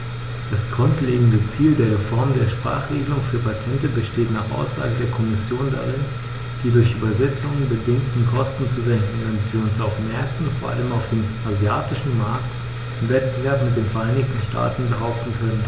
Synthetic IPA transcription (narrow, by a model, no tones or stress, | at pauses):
d̥asɡ̥ʁʊntleːɡŋ̩dət͡siːldeːɐʁ̞efɔɐmdeːɐʃpʁ̥a̰ːχʁ̥eːɡəlʊŋfyːɐpʰatʰɛntəbəʃteːtnaːχʔa̰ʊsz̥a̰ːɡədeːɐkʰɔmɪsjoːnda̰ʁɪn | d̥iːdʊɐçʔyːbɐzɛt͡sʊŋənbədɪŋktn̩kʰɔstn̩t͡suzɛŋkŋ̩ʊntv̥iːɐʊnsaʊfmɛɐk̚tn̩foːɐʔa̰ləmaʊfd̥eːmʔazjaːtɪʃn̩maɐkt | ʔɪmvɛt̚b̥əvɛɐpmɪt̚d̥eːmfɛɐʔaɪnɪçtn̩ʃtʰa̰ːtn̩bəɦaʊp̚tn̩kʰœnən